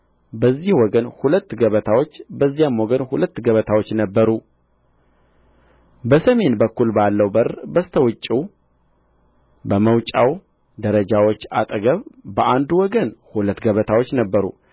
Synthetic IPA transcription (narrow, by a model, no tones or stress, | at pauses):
bəzːihwɔɡənhulət̪ːɡəβət̪ʰawot͡ʃːbəzːijamwɔɡənhulət̪ːɡəβət̪ʰawo̞t͡ʃːnəbːəɾu | bəsəme̞nbəkːulbalːəwbəɾbəst̪ʰəwʊt͡ʃʼːu | bəməwt͡ʃʼa̰w | d̪əɾəd͡ʒawot͡ʃːat̪ʼɡəβbəʔand̪uwɔɡənhulət̪ːɡəβət̪ʰawot͡ʃːnəbːəɾṵ